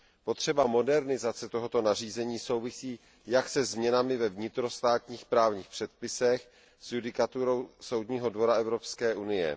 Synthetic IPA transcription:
po̞t̪r̝̥ɛbamo̞dɛɾnɪzat͡sɛt̪o̞ɦo̞t̪o̞nariːzɛɲiːso̞wvɪsiː | jaksɛzmɲɛnamɪvɛvɲɪt̪ɾo̞st̪aːt̪ɲiːxpɾaːvɲiːxpr̝̥ɛt̪̚pɪsɛx | sjudɪkat̪uɾo̞wso̞wd̪ɲiːɦo̞dvo̞ɾaɛvɾo̞pskɛːʔunɪjɛ̰

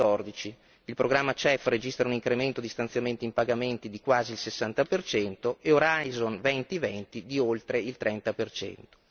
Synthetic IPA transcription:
ɔrd̪it͡ʃi | ilpɾoɡɾamːat͡ʃɛfred͡ʒist̪ɾauniŋkɾement̪od̪ist̪ant̪sjament̪iimpaɡament̪id̪ikwaːziːlsesːant̪apert͡ʃɛnt̪oʔeoɾajzonvɛnt̪ivɛnt̪id̪iolt̪ɾeilt̪ɾɛnt̪apert͡ʃɛ̰nt̪o̥

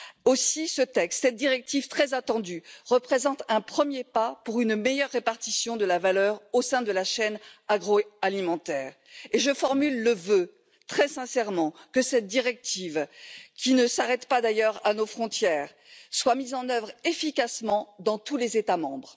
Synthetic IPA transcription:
osisət̪ɛkst̪sɛt̪̚d̪iʁɛk̚t̪iv̥t̪χɛzat̪ɑ̃d̪yʁəpχezɑ̃t̪ɛ̃pχəmjepapuʁynmejœʁːepaʁt̪isjɔ̃d̪əlavalœʁosɛ̃d̪əlaʃɛnaɡʁoalimɑ̃t̪ɛːʁ | eʒəfɔʁmylːəvø | t̪χɛsɛ̃sɛʁmɑ̃kəsɛt̪̚d̪iʁɛk̚t̪ʰivkʲinəsaʁɛt̪pad̪ajœʁanofχɔ̃t̪jɛːʁ | swamizɑ̃nœvʁefikasmɑ̃d̪ɑ̃t̪ulezet̪amɑ̃bʁ

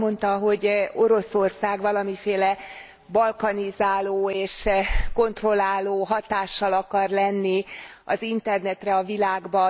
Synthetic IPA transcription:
mo̞nt̪ɒɦo̞ɟo̞ɾo̞so̞rsaːɡʋɒlɒmifeːlɛ | bɒlkɒnizaːloːeːʃko̞nt̪ro̞lːaːloːɦɒt̪aːʃːɒlɒkɒrlɛnːiɒ̰zint̪ɛrnɛt̪rɛɒvilaːɡbɒ

